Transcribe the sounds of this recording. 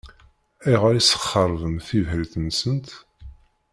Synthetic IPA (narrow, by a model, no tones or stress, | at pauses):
iʁaɾisə̥χːəɾˤvəmθivɦəlθənsənt̪